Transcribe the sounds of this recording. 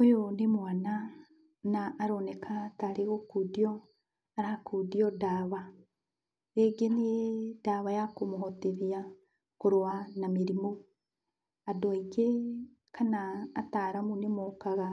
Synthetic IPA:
ojonemwana | naːɾonekʰataɾeɣokudiɔ | aɾakʰuðiɔdaβa | ɾeɡenedaβajakomoɦoteðia | koɾowanameɾimo | adoaiɡe | kʰanaːtaɾamunemokaɣa

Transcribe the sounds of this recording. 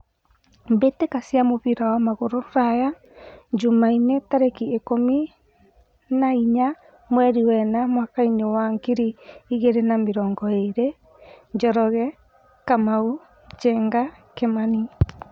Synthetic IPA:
mbetekasiamoβiɾawamaɣoɾoɾaja | d͡ʒumainetaɾekiekomi | naiɲa | mwɛɾiwɛnamwakaiɲewaŋkiɾiiɣeɾenameɾɔːŋɡɔeɾe | ɲd͡ʒɔɾɔɣɛ | kamau | d͡ʒɛŋɡa | kemani

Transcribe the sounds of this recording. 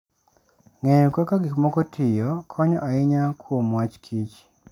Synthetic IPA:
ŋɛɲɔkakaɡɪkmɔkɔtʰɪjɔkʰɔɲɔ̰ʔaɪɲakʰwuomwat͡ʃkʰit͡ʃ

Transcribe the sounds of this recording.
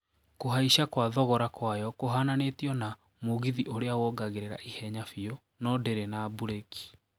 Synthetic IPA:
koɦaiɕakwaðɔɣɔɾakwajɔkoɦananetiɔna | moɣiðiʔoɾeawɔɡaɣeɾeɾa̰ʔihɛɲafio | nɔdeɾenabuɾeki̥

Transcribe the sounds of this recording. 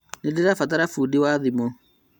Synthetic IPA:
nedeɾafat̬aɾafudewaðimo

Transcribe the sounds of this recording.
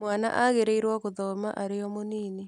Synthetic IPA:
mwaːna̰ʔaɣeɾeiɾwaɣoðɔma̰ʔaɾejɔmoniːni

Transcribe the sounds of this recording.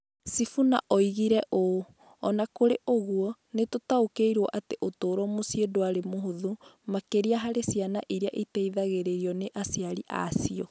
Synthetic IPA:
sifuna̰ʔoiɣiɾɛʔo | ɔnakoɾeʔoɣuɔnetotaokeiɾwɔʔateʔotoːɾɔmosjedoaɾemoɦoðumakeɾiaɦaɾesianaʔiɾiaʔitɛiðaɣeɾeɾiɔneʔasiaɾiʔa̰siɔ

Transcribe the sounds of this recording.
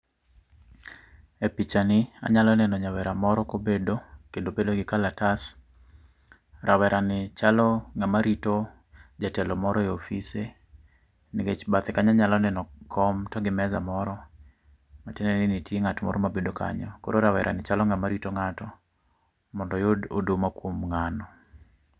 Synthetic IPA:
epit͡ʃanɪa̰ɲalɔnɛnɔɲawɛɾamɔɾɔkobedokendobedoɡɪkalatas | ɾʔawɛɾʔanɪt͡ʃalɔŋɡamaɾito | d͡ʒatɛlɔmɔɾɔeofise | nɪket͡ʃbat̪ɛkaɲaɲalɔnɛnɔkʰɔmtɔɡɪmɛza̰mɔɾɔ | matɛnɛnɪnitjeŋatmɔ̰ɾɔmabedoka̰ɲɔko̰ɾoɾawɛ̰ɾʔa̰nɪt͡ʃalɔŋɡamaɾitoŋatɔ | mɔndɔjoodomakwomŋanɔ

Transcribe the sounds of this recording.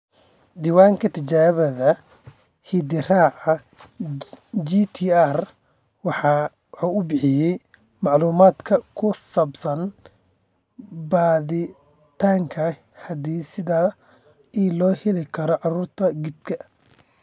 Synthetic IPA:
d̪iːwaːŋkʰɐt̪ʰɪt͡ʃaːβɐðɐ | hid̪ɪraːʕɑ | d͡ʒit̪ʰiar | wɑħ | ħuːʊbɪħɪjɛj | mɑʕluːmaːd̪kʰɐkʰʊsɐbsɐn | baːðɪ | t̪ʰaːŋkʰɐ | hɐd̪iːsɪðaː | ilɔːhɛlɪkʰɐɾɔʕɑɾuːrt̪ʰɐɡɪd̪kʰɐ

